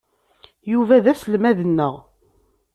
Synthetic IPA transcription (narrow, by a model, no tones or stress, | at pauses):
juvæðæsəlmæðənːəʁ